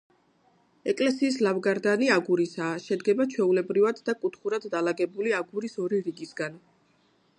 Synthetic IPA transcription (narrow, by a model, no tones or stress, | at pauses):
ɛkʼlɛsiːslavɡaɾd̪aniaɡuɾisaːʃɛd̪ɡɛbat͡ʃʰwɛulɛbɾivad̪ːakʼut̪ʰχuɾad̪ːalaɡɛbuliaɡuɾisɔɾiɾiɡisɡan